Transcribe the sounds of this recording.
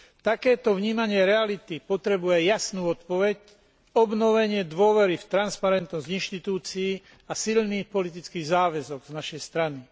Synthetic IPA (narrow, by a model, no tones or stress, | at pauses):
t̪akɛːt̪ɔʋɲiːmaɲɪɛɾɛalit̪ipɔt̪ɾɛbujɛjasnuːɔt̪pɔʋɛc | ɔbnɔʋɛɲɪɛd̪ʋʊɔʋɛɾift̪ɾanspaɾɛnt̪nɔzɟinʃt̪it̪uːt͡siji | asilniːxpɔlit̪̬it͡skiːɣzaːʋɛzɔɡznaʃɛjst̪ɾani